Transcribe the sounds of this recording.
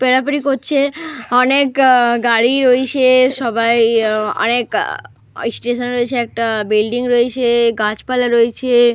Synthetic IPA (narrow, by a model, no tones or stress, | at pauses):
peɾapɾikotːt͡ʃʰeɔnekɡaɽiɾojt͡ʃʰeʃɔbʱajɔ̰nek | sʈeʃənɾojt͡ʃʰeːk̚ʈabilɖiŋɡɾoet͡ʃʰeɡãt͡ʃpalaɾojt͡ʃʰe